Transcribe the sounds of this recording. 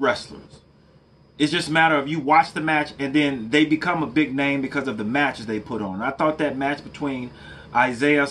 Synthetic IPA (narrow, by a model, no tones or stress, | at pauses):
ɹɛslə̰˞z̥ | ɨtsd̥ʒ̥ʌstəmæɾə˞ʌfjɨwɑt͡ʃðɨmæt͡ʃɨ̃nðɨ̃nðeɪbɨkʰʌ̃məbɪɡ̚nẽɪ̃mbɨkʰʌzʌvðɨmæt͡ʃɨzðeɪpʰʊɾn̩naɪθɔt̪̚ðɨt̚mæt͡ʃb̥ɨtʰw̥ĩn | ʔaɪzeɪɨ